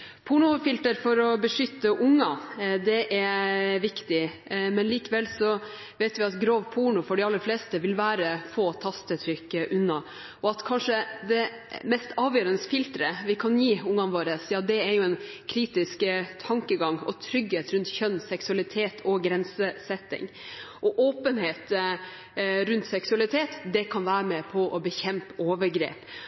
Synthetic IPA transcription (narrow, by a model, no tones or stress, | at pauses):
pʰuɳʊfɪlt̪əɾfɔɾɔbəʂʏt̪ːəʔʊŋːɑd̪ɛʔɛɾʋɪkt̪ɪmɛnliːkəʋɛlsɔ | ʋɛːt̪ʋɪɑt̪ɡɾoːʋpʰuɳʊfɔɖɪɑlːəɾfleːst̪əʋɪlʋæːɾəfoːt̪ʰɑst̪ət̪ʰɾʏkːʔʉnːɑ | ʔɔɑt̪kʰɑnʂəd̪ɛ | mɛst̪ɑːʋjøːɾənəsfɪlt̪ɾəʋɪkʰɑnjiːʊŋɑnʋoːɾəsjɑːd̪ɛɛɾjʊɛnkʰɾiːt̪ɪskt̪ʰɑŋkəɡɑŋɔ̰t̪ʰɾʏɡheːt̪ɾʉnt̪çœnːsɛksʉɑlɪt̪ʰeːt̪ʰɔɡɾɛnsəsɛt̪ːɪ̰ŋ | ʔɔʔoːpənheːt̪ | ɾʉnt̪sɛksʉɑlɪt̪ʰeːt̪d̪ɛkʰɑnʋæːɾəmɛpʰɔʔɔbəçɛmpəoːʋəɾɡɾḛːp